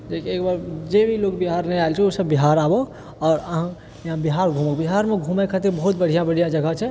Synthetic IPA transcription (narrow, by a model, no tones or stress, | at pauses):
d͡ʒekiekbaɾd͡ʒebʱilokbiɦaɾnɛjajlt͡ʃʰɛosəbːiɦaɾabo | ɔːɾəɦã | jɦãbiɦaɾɡʱũməkbiɦaɾmeɡʱũmɛkʰət̪iɾbəɦut̪̚bəɽ̤ʱijãbəɽ̤ijãd͡ʒəɡʱat͡ʃʰɛ